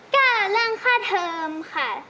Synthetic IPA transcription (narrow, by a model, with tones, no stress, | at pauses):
kaː˥˩˨la˥˩ŋkʰaː˥˩t̪ʰːɤː˧mkʰa˥˩